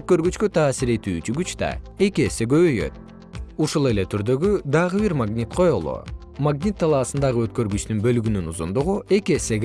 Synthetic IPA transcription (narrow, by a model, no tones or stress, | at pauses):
øt̪̚kø̞ɾɡyt͡ʃkøt̪ʰɑːsiɾe̞t̪yːt͡ʃyɡyt͡ʃt̪ɑ̰e̞kiese̞ɡø̞βøjø̞̰t̪ | uʃulˠe̞le̞t̪ʰyɾd̪ø̞ɡyd̪ɑʁɯβiɾmaɡnʲit̪qʰo̞jolˠo̰ | maɡnʲit̪ʰːɑlˠɑːsɯnd̪ɑʁɯø̞t̪kø̞ɾɡyt͡ʃt̪ynbø̞lyɡynynuzund̪uʁuʔe̞kiese̞ɡ